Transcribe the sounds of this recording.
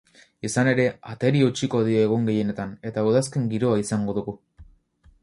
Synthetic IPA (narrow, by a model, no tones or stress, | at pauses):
isane̞ɾe̞at̪e̞ɾiut͡ʃiko̞ðio̞eɣ̞oŋɡe̞je̞ne̞t̪ane̞t̪auðaske̞ŋɡiɾo̞aisaŋɡo̞ðuɣu